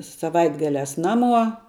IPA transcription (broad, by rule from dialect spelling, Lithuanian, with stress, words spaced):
sɐˈʋɐɪdɡɐlʲæːs ˈnɑːˌmuɔ